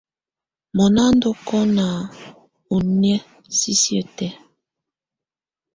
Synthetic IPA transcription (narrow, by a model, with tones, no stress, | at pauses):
mɔ˨na˦n˦do˦kɔ˦na˨ | u˨nɛ˦ | si˦si˦ə˨tɛ˦